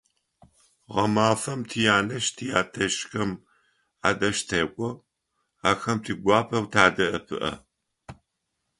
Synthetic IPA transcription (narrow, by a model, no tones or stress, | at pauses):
ʁɐmaːfɐmtʰijaːnɐʃtʰijaːtʰɐʃxɐm | aːdɐʃtʰɐkʷʼɔ | aːxɐmtʰiːɡʷɑːpʰɐwtʰaːdɐʔɐpʰɨ̰ʔɐ̰